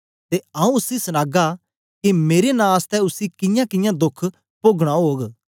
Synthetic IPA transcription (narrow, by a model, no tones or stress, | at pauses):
t̪eɐ̃ũʊsisɐñaːɡa | kimeːɾenãːst̪ɛʊsikɪ̃jãkɪjãd̪ʊkʰ | poːɡɽ̃aɦoːɡ